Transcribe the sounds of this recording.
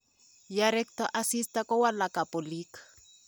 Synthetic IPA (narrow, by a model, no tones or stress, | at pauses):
jaɾɛk̚tɔʔasistakɔwalakapolik